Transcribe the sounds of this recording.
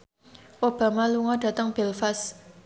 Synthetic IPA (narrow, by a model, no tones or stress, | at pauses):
obamaluŋaʈ͡ʂat̪aŋpelfas